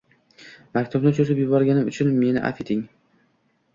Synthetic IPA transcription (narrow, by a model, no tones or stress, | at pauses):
makʲt̪ʰʊbnɪt͡ʃʰʊɾɪpjʊbɒɾɡʲanɪmʊt͡ʃʰʊnme̞nɪ̰ʔa̰fet̪ʰɪŋ